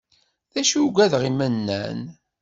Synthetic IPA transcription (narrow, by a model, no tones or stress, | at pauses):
ðæʃuɡʷæðʁimənːæ̰n